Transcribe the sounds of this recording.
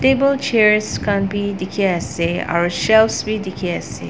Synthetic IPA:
tebəlt͡ʃɛɹskãnbidikʰeɛsea̰əʃɛlsbidikʰeɛsḛ

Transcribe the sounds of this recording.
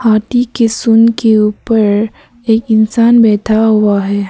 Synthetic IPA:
haːʈ̪ikesʊnkeuːpəɾ | eːkɪnsaːnbɛːt̪ʰaɦʊaɦɛː

